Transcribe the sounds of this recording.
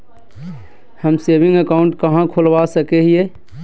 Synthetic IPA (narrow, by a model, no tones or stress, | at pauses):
həmsebĩŋɡəkaʊɳʈkəɦãkʰolʋasəkɛɦie